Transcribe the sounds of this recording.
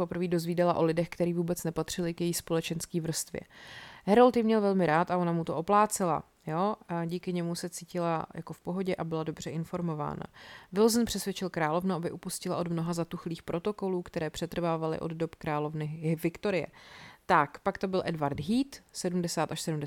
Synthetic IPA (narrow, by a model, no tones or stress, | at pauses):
popɾ̩viːdozviːdɛlaʔo̞lɪdɛxkt̪ɛɾiːvuːbɛt͡snɛpat̪r̝̥ɪlɪkjɛjispo̞lɛt͡ʃɛnskiːvr̩st̪vjɛ̰ɦɛɾolt̪jɪmɲɛlvɛlmɪɾaːt̪aʔo̞namut̪o̞ʔoplaːt͡sɛla̰ | joɟiːkɪɲɛmusɛt͡siːcɪlajʔako̞fpo̞ɦo̞ɟɛʔabɪlado̞br̝ɛʔɪnfo̞ɾmo̞va̰ːna̰vɪlzn̩pr̝̥ɛsvjɛt͡ʃɪlkɾaːlo̞vnuʔabɪʔupuscɪlaʔo̞dmnoɦazat̪uxliːxpɾʔo̞t̪o̞ko̞luːkt̪ɛɾɛːpr̥ɛt̪r̩vaːvalɪ̰ʔo̞̰d̪do̞pkɾaːlo̞vnɪvɪkt̪o̞ɾɪjɛ̰t̪akpakt̪o̞bɪlʔɛdvaɾd̪ɦiːt̪sɛdumdɛsaːt̪aʃsɛdumdɛ